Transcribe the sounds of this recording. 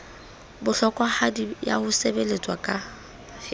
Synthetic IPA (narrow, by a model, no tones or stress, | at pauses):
bʊɬɔkʼwahadija̰hʊsebelet͡sʼwakʼa | h